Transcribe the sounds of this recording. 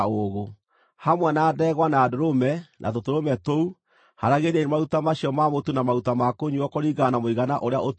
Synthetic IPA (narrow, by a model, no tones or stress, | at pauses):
oɣo | hamwanaːdɛɣwanaːdoɾomɛnʔa̰t̬otoɾomɛtou | haɾaɣeɾiɾemautamaɕjɔmamotunamautamakoɲuɔkɔɾiɡanamoiɣanaʔoɾeaʔot